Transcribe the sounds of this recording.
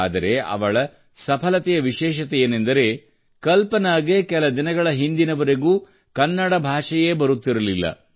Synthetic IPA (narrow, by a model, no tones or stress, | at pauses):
aːd̪ɐɾe̞ɐ̰ʋɐɭɐ | sɐpʰɐlɐt̪ɛjɐʋiʃɛːʃ̬ɐt̪ɛjeːnend̪ɐɾe̞ | kɐlpɐnaːɡeːkɛlɐd̪inɐɡɐɭɐɦind̪inɐʋɐɾeɡuː | kɐnːɐɽɐbʱaːʂɐje̞ːbɐɾut̪ːiɾɐlilːɐ̰